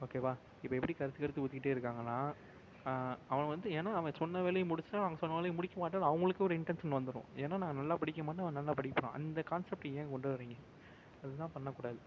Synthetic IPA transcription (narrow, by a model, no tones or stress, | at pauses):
oːkeːʋaː | ɪpːɐɛpːɐɽikɐɾɯt̪ːɯkɐɾɯt̪ːɯʊt̪ɪkɪʈːeːɪɾɯkːaːŋɡɐlːãː | ɐʋɐnɐʋɐnd̪ɯeːnaːɐʋɐ̃sɔnːɐʋeːɭɐjɐ̃mʊɽɪt͡ʃːɯnaːnaːŋɡɐsɔnːɐʋeːlɐjɐmʊɽɪkʲːɐmaːʈːɯnːɐʋɐŋɡɐɭɯkːeɔːɾɪɳʈɐnsɐnʋɐnd̪ɯɾõ̰eːnːaːnãːŋɡɐnɐlːaːpɐɽɪk̬ʲːɐmaːʈːɯɐʋɐ̃ɐnɐlːaːpɐɽɪkːɐpːɐɾõ̰ːʔɐ̰nd̪ɐkaːnsɛp̚ʈjẽːkɔɳɖɯʋɐɾiːŋɡɐ | ɐðɯt̪ãːpɐnːɐkːuːɽaːðɯ